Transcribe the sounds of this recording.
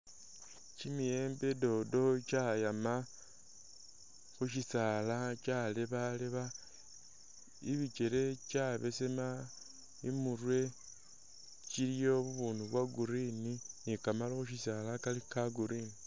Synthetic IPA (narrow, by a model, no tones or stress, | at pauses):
t͡ʃimije̞ːmbe̞do̞do̞t͡ʃajama | xuʃisaːlat͡ʃaleβaleβa | iβit͡ʃe̞ɾe̞t͡ʃaβe̞sema | imuɾwe̞ | t͡ʃiljo̞βuβuːnduβwaɡuɾininikamalaxuʃisaːlakalikaɡuɾini